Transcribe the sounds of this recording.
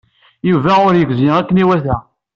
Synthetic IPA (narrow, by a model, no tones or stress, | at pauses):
juvæʊɾjəɡziækːəniwæθæ